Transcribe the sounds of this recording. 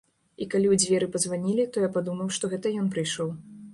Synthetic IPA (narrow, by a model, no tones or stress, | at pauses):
ikalʲiwd͡zʲvʲɛɾɨpɐzvanʲilʲit̪ɔjapad̪umɐwʂt̪ɔɣɛt̪ɐjɔnpɾɨjʂɔw